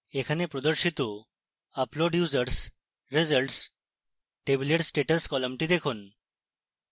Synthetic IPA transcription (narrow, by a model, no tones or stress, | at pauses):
ekʰanepɾɔd̪əɾɕit̪o | aploɖjuzəɾs | ɾed͡zəlʈs | ʈebleʈsʈeʈəskɔləmʈid̪ekʰoːn